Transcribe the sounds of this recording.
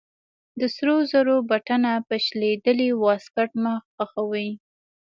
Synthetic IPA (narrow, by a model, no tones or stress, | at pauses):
d̪əsɾozaɾobaʈanapəʃled̪əliwɑskaʈməxxaxawəj